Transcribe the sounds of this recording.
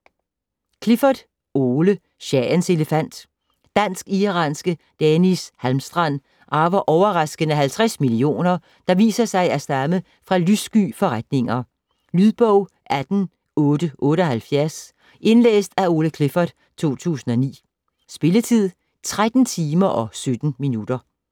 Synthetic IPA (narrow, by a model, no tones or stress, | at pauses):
kʰle̝fɐd̥ | o̝ːlə | ɕɛnse̝ləfæn̰d̥ | d̥æn̰sɡ̥iʁɑ̰̈nsɡ̥ə | d̥ɛnishælmsd̥ʁɑn̰ | ʔɑ̈ʋɐʔɒʊɐʁɑ̈sɡ̥ənæɦhælt͡sʰʁasmilio̝̰ːnɐ | d̥ɑ̈ʋḭːsɐsɑ̈ɪæɐsd̥ɑmə | fʁɑ̈lysɡ̥y̰ːfɒ̽ʁad̥ne̝ŋɐ | lyðˠb̥ɔʊ̰ | ʔæd̥n̩ | ɔ̽ːdɾ̥əʔɔ̽ːɾəɒ̽hælfjæɐs | ʔe̝nlḛːsd̥æo̝ːləkʰle̝fɐd̥ | t͡sʰo̝̰ːt͡sʰṵːsn̩ɒ̽nḭː | sb̥e̝lət͡sʰið̰ˠ | t͡sʰʁad̥n̩t͡sʰiːmɐʔɒ̽sød̥n̩minud̥ɐ